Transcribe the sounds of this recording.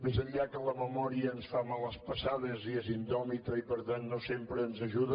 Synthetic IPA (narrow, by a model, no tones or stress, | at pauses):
mezəʎʎakələməmɔɾiəːnsfamalˠəspəsaðəziezind̪ɔmit̪əipəɾt̪anːosempɾəːnzəʒuðə